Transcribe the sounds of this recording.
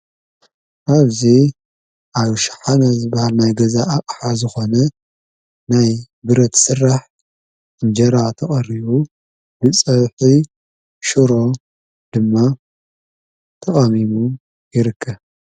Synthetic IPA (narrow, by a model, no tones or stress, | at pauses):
ʔaβzi | ʔaβʃħanazɨbɐhalnajɡɐzaʔːkʼħazɨxo̞nɐ | naj | bɨɾɐt̪sɨrːaħ | ɨnd͡ʒɐɾat̪ʰɐχʼɐriβu | bɨt͡sʼɐβħi | ʃuɾo̞ | d̪ɨmːa | t̪ʰɐχʼɐmimu | jɪɾɨkʰːɐβ